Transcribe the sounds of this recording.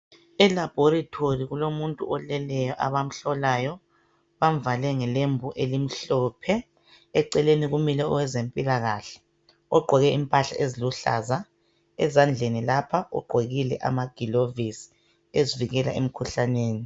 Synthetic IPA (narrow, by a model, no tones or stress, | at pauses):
ɛlab̥ʱoɾatʰoriɣulomuntʼṵʔɔlɛlɛjɔʔaβam̩ɬɔlaːjɔ | βam̩valɛŋɛlembʱuʔelim̩ɬɔːpʰɛː | ǀɛleniɣumilɛɔwɛzempʼilaɣaɬɛ̥ | ɔɡ͡ǃʱɔɣɛimpʼaɬa̰ʔeziluɬa̰za | ɛ̰zand͡ɮʱenilapʰaʔɔ̰ɡ͡ǃʱeɣilɛ̰ʔa̰maɡ̥ʱilovisi̥ | eziviɣɛla̰ʔem̩kʰuɬaneːni